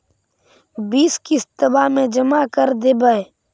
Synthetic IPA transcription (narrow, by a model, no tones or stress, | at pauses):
biːskist̪əbamẽd͡ʒəmakəɾd̪eːbae